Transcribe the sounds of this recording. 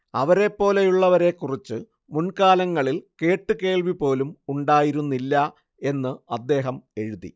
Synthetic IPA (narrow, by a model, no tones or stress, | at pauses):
ɐʋɐɾe̞pːo̞ːlejuɭːɐʋɐɾe̞kːurit͡ɕːɨ | munkaːlɐŋːɐɭilke̞ːʈːɨke̞ːɭʋipo̞ːlumuɳɖaːjiɾunːilːɐ | e̞nːɨɐd̪ːe̞ːɦɐme̞ɻuðḭ